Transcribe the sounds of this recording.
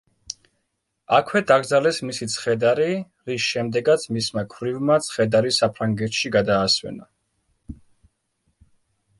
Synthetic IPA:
akʰwɛd̪aɡɾd̪zalɛsmisit̪sʰχɛd̪aɾi | ɾisʃɛmd̪ɛɡat̪sʰmismakʰvɾivmat̪sʰχɛd̪aɾisapʰɾaŋɡɛt̪ʃiɡad̪aːswɛ̰na

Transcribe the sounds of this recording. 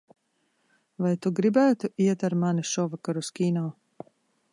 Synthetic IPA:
vajt̪uɡɾibæːt̪uʔiɛt̪aɾmaniʃɔvakaɾuskʲiːnaː

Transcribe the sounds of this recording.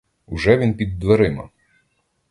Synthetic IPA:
ʊʒɛʋʲinpʲid̪ːʋeɾɪmɐ̰

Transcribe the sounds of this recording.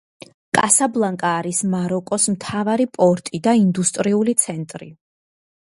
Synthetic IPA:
kʼasablˠaŋkʼaːɾismaɾɔkʼɔsmt̪ʰavaɾipʼɔɾt̪ʼid̪aind̪ust̪ʼɾiulit̪sʰɛnt̪ʼɾḭ

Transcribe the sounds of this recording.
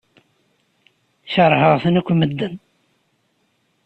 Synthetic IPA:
çəɾˤhəʁθənækʷːməd̪ːən

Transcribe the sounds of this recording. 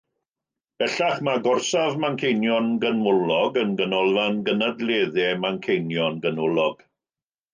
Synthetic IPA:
b̥ɛɬaχmaɡɔrsavmankʰejnjɔnɡənʊlɔɡənɡənɔlˠvanɡənadleːðɛmankʰejnjɔnɡənʊlɔɡ̥

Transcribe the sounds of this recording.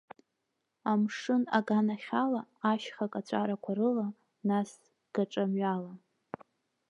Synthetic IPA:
amʂɨnaɡanaχʲalaːʃχakʼat͡ɕʷʰʼaɾakʷʰaɾɨla | nas | ɡ̥aʈ͡ʂʼamɥala

